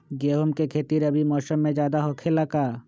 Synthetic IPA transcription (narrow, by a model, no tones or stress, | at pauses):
ɡeːɦomkekʰeːt̪iɾɐbimɔːsəmːẽd͡ʒjaːd̪aɦɔːkʰelɐkaː